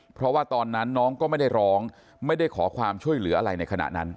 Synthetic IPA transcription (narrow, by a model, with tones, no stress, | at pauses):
pʰɾɔ˦˥waː˥˩t̪ɔː˧nːa˦˥nːɔː˦˥ŋkɔː˥˩ma˥˩jda˥˩jɾɔː˦˥ŋ | ma˥˩jda˥˩jkʰɔː˩˦kʰwaː˧mt͡ɕʰu˥˩əjlɯ˨˩˦ʔa˧ɾa˧jna˧jkʰa˧na̰˨˩ʔna˦˥n